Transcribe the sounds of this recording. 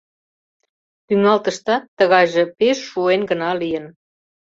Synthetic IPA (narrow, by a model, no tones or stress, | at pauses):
t̪yŋɑlt̪ə̆ʃt̪ɑt̪ːəɣɑjʒə̆peʃːuenɡə̆nɑlijən